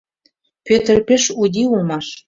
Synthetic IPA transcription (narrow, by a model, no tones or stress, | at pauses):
pøt̪ə̆rpeʃud̪iulmɑʃ